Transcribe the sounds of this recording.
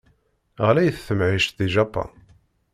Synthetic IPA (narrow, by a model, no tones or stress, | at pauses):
ʁlæjθθəmʕiʃt̪ðiʒɑpːɑ̰n